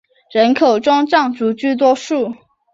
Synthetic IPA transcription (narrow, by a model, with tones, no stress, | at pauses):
ɻə˧˥nkʰo˨˩ʊʈ͡ʂwɑ˥ŋʈ͡ʂɑ˥˩ŋʈ͡ʂu˧˥t͡ɕy˥˩t̪̬wɔ˥ʂu˥˩